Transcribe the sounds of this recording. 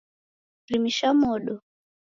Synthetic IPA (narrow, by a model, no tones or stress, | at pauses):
rimiʃamɔɗɔ